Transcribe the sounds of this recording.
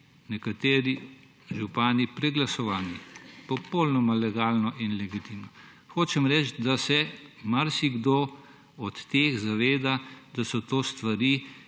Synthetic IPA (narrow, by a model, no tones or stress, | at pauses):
nɛkat̪eːɾi | ʒupaːnipɾɛɡlasɔʋaːlnipɔpolnɔmalɛɡaːlnɔʔinlɛɡit̪iwnɔ | xoːt͡ʃɛmɾɛt͡ʃt̪d̪asɛmaɾsiɡd̪oː | ɔt̪ːeːxzaʋeːd̪ad̪̥asɔt̪oːst̪ʋaɾiː